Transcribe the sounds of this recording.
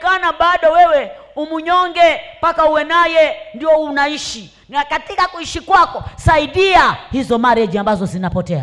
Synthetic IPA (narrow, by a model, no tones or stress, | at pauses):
kanaɓaɗɔwɛwɛ | umuɲɔŋɡɛpakauwɛnajɛndiɔunaiʃi | nakatikakuiʃikwakɔsaiɗiahizɔmaɾɛd͡ʒiambazɔzinapɔtɛa